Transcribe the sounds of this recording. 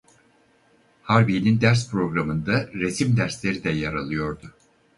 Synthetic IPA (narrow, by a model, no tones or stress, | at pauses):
haɾbinind̪æɾspɾo̞ɡɾamɯnd̪aɾe̞simd̪æɾslʲe̞ɾid̪ɛjaɾalˠɯjo̞ɾd̪ʊ